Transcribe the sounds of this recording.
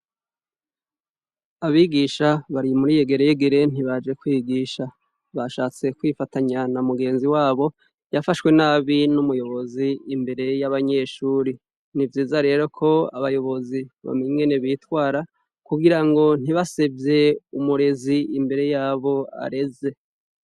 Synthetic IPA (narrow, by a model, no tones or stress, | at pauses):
aβiɡiʃaβaɾimuɾijeɡe̞ɾejeɡeɾe̞n̥iβad͡ʒe̞kwiːɡiːʃa | βaʃaːt͡se̞kwifataɲanamuɡe̞ːnziwaːβo̞ | jafaʃwe̞naːβinumujo̞βo̞ziːmbe̞ɾe̞jaβaɲe̞ʃuːɾi | nivjiːzaɾe̞ːɾo̞kʰo̞a̰βajo̞βo̞ziβa̰meiŋɡe̞ne̞βitwaːɾa | kuɡiɾaŋɡo̞n̥iβasebje̞umuɾe̞ziimbe̞ɾe̞jaːβo̞a̰ɾe̞ze̞